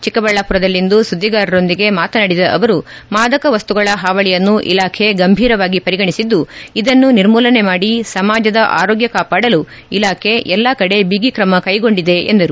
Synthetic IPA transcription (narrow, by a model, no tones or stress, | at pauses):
t͡ʃikɐbɐɭːapuɾɐd̪ɐlːind̪usud̪ːiɡaːɾɐɾo̞nd̪iɡe̞maːt̪ɐnɐɽid̪ɐʔɐʋɐɾumaːd̪ɐkɐʋɐst̪uɡɐɭɐɦaːʋɐɭijɐnːuʔḭlaːkʰe̞ɡɐmbʱiːɾɐʋaːɡipɐɾiɡɐɳisid̪ːuid̪ɐnːuniɾmuːlɐne̞maːɽisɐmaːd͡ʒɐd̪ɐʔa̰ːɾoːɡjɐkaːpaːɽɐlu | ilaːkʰe̞ʔɛlːakɐɽe̞biɡikɾɐmɐkɐjɡo̞ɳɖid̪e̞end̪ɐɾu